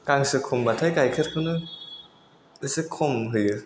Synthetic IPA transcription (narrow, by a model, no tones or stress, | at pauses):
kaŋsɯkʰombatʰajkajkʰeɾ̚kʰɯwnɯ | ɯsɯkʰomɦɯjɯ